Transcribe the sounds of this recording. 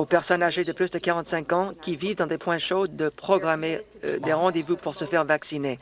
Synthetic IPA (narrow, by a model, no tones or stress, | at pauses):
opɛʁsɔnaʒed̪əplysd̪əkaʁɑ̃t̪sɛ̃kɑ̃kʲivivd̪ɑ̃d̪epwɛ̃ʃod̪əpχɔɡʁamed̪eʁɑ̃d̪evupuʁsəfɛʁvaksine